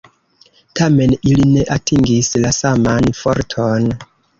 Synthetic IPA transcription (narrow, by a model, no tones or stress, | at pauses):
tʰame̞niline̞ʔatʰiŋɡislasamanfo̰ɾtʰon